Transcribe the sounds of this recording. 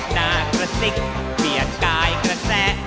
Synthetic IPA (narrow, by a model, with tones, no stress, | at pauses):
naː˧kɾa˧si˦˥˩k̚ | pi˩˦ənkaː˧jkɾa˧sɛː˥˩